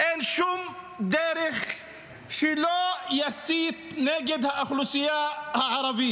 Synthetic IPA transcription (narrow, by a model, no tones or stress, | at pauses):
ʔenʃum | d̪eɾeχ | ʃɛlojasiːt̪̚neɡed̪haʔaxlusijahaʕɑɾˤɑvi